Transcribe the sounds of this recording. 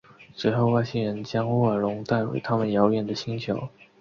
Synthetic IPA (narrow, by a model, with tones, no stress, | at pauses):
ʂɻ̩˧˥xo˥˧ʊwa˥˩ɪɕi˥ɻə˧˥nt͡ɕjɑ˥ŋ˥˩a˨˩lʊ˧˥ŋt̪a˥˩ɪxwḛ˧˥ɪt̪ʰa˥mə˨njɑ˧˥ʊɥɛ˨˩nd̪ə˩ɕi˥ŋt͡ɕʰjo˧˥ʊ